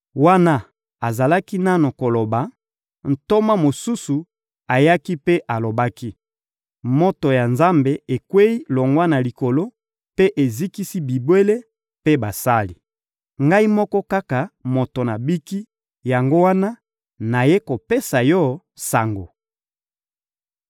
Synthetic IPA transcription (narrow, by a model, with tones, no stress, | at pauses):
wa˦na˦ | a˨za˨la˦ki˦na˦no˨ko˨lo˨ba˨ | n̩˨to˦ma˦mo˨su˦su˨ | a˨ja˦ki˦pe˦ʔa˨lo˨ba˦ki˦ | mo˦to˨ja˨nza˦mbe˨e˨kwe˦i˦lo˨ŋɡwa˦na˨li˨ko˨lo˦ | pe˦ʔe˨zi˦ki˦si˦bi˨bwe˦le˦ | pe˦ba˨sa˦li˨ | ŋɡa˦i˦mɔ˦kɔ˦ka˦ka˨mo˨to˨na˨bi˦ki˦ | ja˨ŋɡo˦wa˦na˦ | na˨je˦ko˨pe˦sa˨jɔ˦˨ | sa˨ŋɡo̰˨